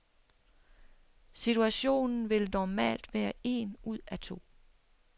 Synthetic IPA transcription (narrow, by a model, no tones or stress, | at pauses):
sit͡sʰuæɕo̝̰ːnn̩ʋe̝lnɒmɛ̰ːld̥ʋæːɐe̝nuð̞̰ˠæt͡sʰo̝̰ː